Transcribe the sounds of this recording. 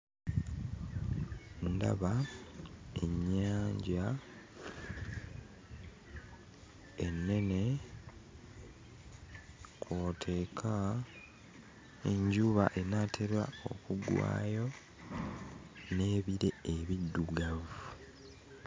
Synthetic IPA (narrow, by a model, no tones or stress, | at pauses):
nda̰βa | e̞ɲːaːɲɟa | enːe̞ne̞ | kʰwoːtʰe̞ːkʰa | eɲɟuβaʔe̞naːtʰe̞ɾwa̰o̰kuɡwa̰ːjo̞ | ne̞ːβiɾe̞eβidːuɡavu